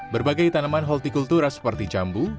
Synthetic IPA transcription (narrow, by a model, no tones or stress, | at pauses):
bərbaɡajt̪anamanɦɔlt̪ikult̪uɾasə̥pərt̪id͡ʒambu